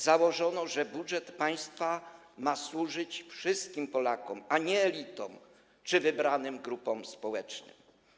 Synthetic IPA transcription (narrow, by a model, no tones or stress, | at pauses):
zawɔʐɔnɔʐɛbudʐɛt̪paj̃st̪fa | maswuʐɘt͡ɕfʂɘst̪̚kʲimpɔlakɔmaɲɛːlʲit̪ɔm | t͡ʂɘvɘbɾanɘmɡɾupɔmspɔwɛt͡ʂnɘ̰m